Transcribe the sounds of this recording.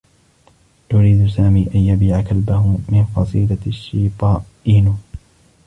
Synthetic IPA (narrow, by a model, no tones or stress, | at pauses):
ʔʊɾiːd̪saːmiːʔanjabiːʕakalbahʊmɪnfɑsˤiːlaʃːiːt̪ˤɑːʔiːn